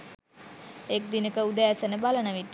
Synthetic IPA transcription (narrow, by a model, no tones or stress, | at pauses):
ek̚d̪inəkəud̪ææsənəbalənəʋit̪ː